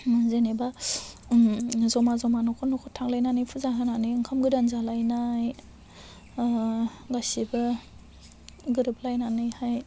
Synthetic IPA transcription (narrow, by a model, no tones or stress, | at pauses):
zeneba | zɔmazɔmanɔkʰɔnɔkʰɔtʰaŋlajnanɯjpʰuzaɦɯnanɯjɯŋkʰamɡɯɾanzalajnaj | ɡasibɯ | ɡɯɾɯp̚lajnanɯjhaj